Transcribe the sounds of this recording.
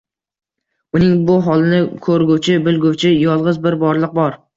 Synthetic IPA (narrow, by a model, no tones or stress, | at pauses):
ʊnɪŋbʊɦɒlˠɪnɪkʰɵɾɡʲuwt͡ʃʰɪbɪlˠɡʲʊwt͡ʃʰɪjɒlˠʁɨzbɪɾbɒɾlˠɨq̚bɒɾ